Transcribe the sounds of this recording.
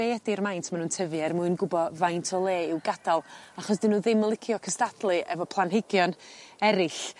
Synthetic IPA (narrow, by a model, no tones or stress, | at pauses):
eːdirmajntʰmanuːntʰəvjɛrmuɨnɡʊbɔvajntʰɔlˠeːɪwɡadalˠaχɔsd̥ɪnuːðɪmlˠɪkʰjɔkʰəstadlˠɨʔɛvɔpʰlˠanhɪɡjɔnɛɾɪɬ